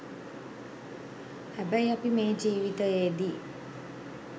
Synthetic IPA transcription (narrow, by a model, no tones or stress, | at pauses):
hæbæjɐpimeːd͡ʒiːʋit̪əjeːd̪i